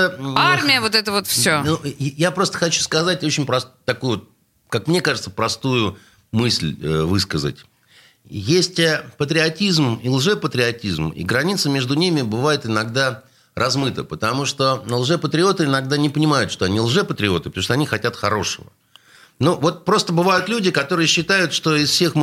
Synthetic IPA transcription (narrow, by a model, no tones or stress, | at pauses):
əarmʲɪjəvot̪ɛt̪əvot̪fsʲonujapɾo̞st̪ə̥xɐt͡ɕu̥skɐzatʲot͡ɕɪnʲpɾɐst̪ːɐkujʊvot̪̚ | kakmnʲe̞kaʐɨt̪səpɾɐst̪ujʊ | mɨsʲlʲəvɨskəzə̰tʲ | jesʲtʲəpət̪ɾʲɪɐtʲizmilˠʐɛpət̪ɾʲɪɐtʲizmḭɡɾɐnʲit̪səmʲe̞ʐd̪ʊnʲimʲɪbɨvajɪt̪ɪnɐɡd̪a | rʔɐzmɨt̪ə̰pət̪ɐmuʂt̪o̞nəlˠʐɛpət̪ɾʲɪo̞t̪ɨɪnɐɡ̚d̪anʲɪpənʲɪmajʊt̪ʂt̪o̞ɐnʲilˠʐɛpət̪ɾʲɪo̞t̪ɨpə̥t̪muʂt̪oɐnʲixɐtʲat̪xɐɾo̞ʂəvə̰ | novo̞t̪̚pɾo̞st̪əbɨvajʊt̪lʲudʲɪkɐt̪o̞ɾɨjɪɕːɪt̪ajʊt̪ʂt̪o̞ɪsfsʲe̞xm